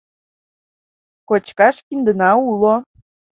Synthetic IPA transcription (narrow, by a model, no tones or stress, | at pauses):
kot͡ɕkɑʃkind̪ənɑulo